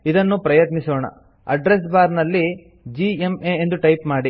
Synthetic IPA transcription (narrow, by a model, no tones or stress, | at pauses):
id̪ɐnːupɾɐjɐt̪nisoːɳɐ̰ | ɐ̰ɖɾesbaːɾnɐlːi | d͡ʒiemeend̪uʈɐjpmaːɽi